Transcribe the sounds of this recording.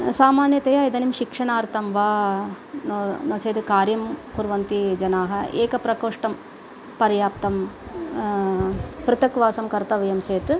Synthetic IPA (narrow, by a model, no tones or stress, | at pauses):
saːmaːnjɐt̪ɐjaːid̪ɐnimʃikʂɐɳaːɾt̪ɐmʋaː | nonoːt͡ʃeːt̪kaːɾjɐmkuɾʋɐnt̪id͡ʒɐnaːɦɐeːkɐpɾɐkoːʂʈɐm | pɐɾjaːp̚t̪ɐm | pɾɪt̪ɐkʋaːsɐmkɐɾt̪ɐʋɐjɐmt͡ʃeːt̪